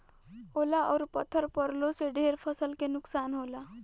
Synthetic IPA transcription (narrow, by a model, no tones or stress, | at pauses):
olaʔɔ̰wɾpət̪ʰːəɾpəɾloseɖʱeɾpʰəsəlkenuksanɦola